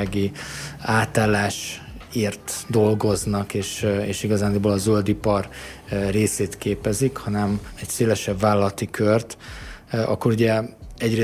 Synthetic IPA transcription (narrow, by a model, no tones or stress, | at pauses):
ɡiaːt̪aːlːaːʃeːrt̪d̪o̞lɡo̞znɒkeːʃeːʃiɡɒzaːniboːlɒzøld̪ipɒrreːseːt̪keːpɛzikhɒnɛmɛcseːlɛʃɛbvaːlɒlɒt̪ikʰørt̪ | ɒ̰kːo̞ɾuɟɛɛɟreː